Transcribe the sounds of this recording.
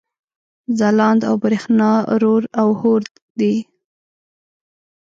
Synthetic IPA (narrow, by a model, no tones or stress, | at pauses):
zalɑnd̪a̰wbɾexnɑɾoɾawhoɾd̪ | d̪i